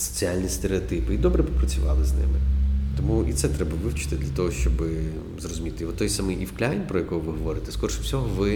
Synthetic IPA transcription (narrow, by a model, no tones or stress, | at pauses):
sɔ̥t͡sʲialʲnʲist̪eɾeɔt̪ɪpɪid̪ɔbɾɛbɪpɾɐt͡sʲʊʋɑlˠɪznɪ̰mɪt̪ɔmuʔḭt̪sɛt̪ɾɛbɐʋɪwt͡ʃɪ̥t̪ɪd̪lʲɐt̪ɔɦɔʃt͡ʃɔbɪ | zrɔzʊmʲit̪ɪʋɔt̪ːɔjsamɨjifklʲajnʲpɾɔjɐkɔjʊʋɪɦɔʋɔɾɪt̪ɛ̥skɔrʃʊwsʲɔɦɔʋɪ